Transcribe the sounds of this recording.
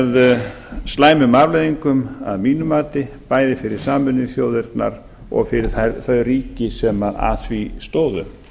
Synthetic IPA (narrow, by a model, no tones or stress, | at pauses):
ð | st̪laːjmʏmavlejðiŋkʏma̰ðmiːnʏmaːt̪ɪ | paːjðɪfɪɾɪɾ̥saːmʏnːɪθjoːwðɪɾt̪na̰ɾ | ɔ̰ɣfɪɾɪɾ̥θaθœɥriːcɪsɛmaa̰svist̪oːwðʏ̰m